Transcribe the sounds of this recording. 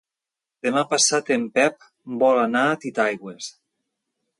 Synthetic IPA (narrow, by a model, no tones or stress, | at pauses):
d̪̥emapasat̪empɛp̚ | mbɔlanat̪it̪ajɣwes